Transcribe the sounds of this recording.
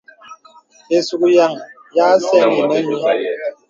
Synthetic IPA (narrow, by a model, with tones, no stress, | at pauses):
e˨su˨ku˨ja˨ŋ | ja˦sɛ˦ni˨nɛ˦ɲi˦